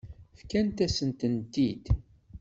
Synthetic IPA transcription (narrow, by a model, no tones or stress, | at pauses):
fkænt̪æsənt̪ənd̪id̪